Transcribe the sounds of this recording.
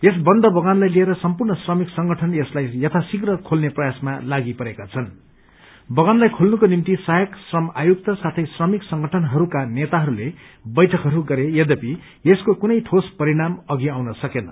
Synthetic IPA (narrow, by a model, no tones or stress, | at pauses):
esbʌnd̪ʱʌbʌɡanlajlieɾʌsʌmpurnʌsrʌmiksʌŋɡʌʈʰʌneslajjʌt̪ʰasikrʌkʰolneprʌjasmalaɡipʌɾekat͡sʰʌn | bʌɡanlajkʰolnukonimt̪isajʌksrʌmajuk̚t̪ʌsat̪ʰʌjsrʌmiksʌŋɡʱʌʈʰʌnɦʌɾukanet̪aɦʌɾule | bʌjʈʰʌkɦʌɾuɡʌɾejʌd̪ʌpi | eskokunʌjʈʰospʌɾiɽ̃amʌɡiawnʌsʌkenʌ